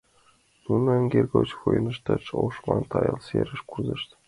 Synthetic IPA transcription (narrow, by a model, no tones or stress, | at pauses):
nunɤ̆ɘ̆ŋʲɡʲerʲɡot͡ɕxujnɤ̆ʂt̪ɘt͡ɕoʂmɑnt̪ɑjɤ̆lˠsʲḛɾʲɘ̆ʂkuzɤ̆ʂt̪ʲ